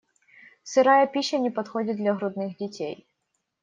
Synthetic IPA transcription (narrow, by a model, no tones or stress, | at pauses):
sɨɾajɐpʲiɕːɐnʲɪpɐt̪xodʲɪt̪̚d̪lʲɐɣɾʊd̪nɨxdʲɪtʲḛj